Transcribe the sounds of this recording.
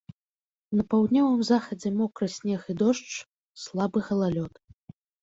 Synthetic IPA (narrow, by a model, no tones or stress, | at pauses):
nɐpawd̪nʲɔvɨmzaxɐd͡zʲɛmɔkɾɐsʲnʲɛxid̪ɔʂt͡ʂ | slˠabɨɣɐlˠalʲɔt̪